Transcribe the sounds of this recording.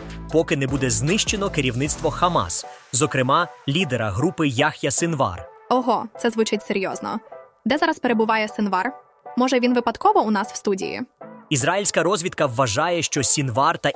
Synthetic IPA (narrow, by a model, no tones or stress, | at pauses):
pɔkɪnɛbud̪ɛznɪʃt͡ʃenɔkeɾʲiwnɪt̪st̪ʋɔxɐmɑ̰szɔkɾɪmɑlʲid̪eɾɐɦɾupɪjaxjɐsɪnʋɑ̰rɔɦɔt̪sɛzʋʊt͡ʃɪtʲseɾʲjɔznɔ̰ | d̪ɛzɑɾɐspeɾebʊʋɑjɛsɪnʋɑr | mɔʒɛʋʲinʋɪpɐt̪kɔʋɔʊnɑsw̥st̪udʲḭjḭizɾailʲsʲkɐɾɔzʲʋʲid̪kɐwːɐʒɑjɛʃt͡ʃɔsʲinʋɑrt̪ɐ